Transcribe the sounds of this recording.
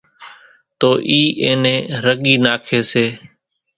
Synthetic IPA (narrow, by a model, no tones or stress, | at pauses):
t̪oːʔiːʔẽːnẽːɾəɠiːnaːkʰeːseː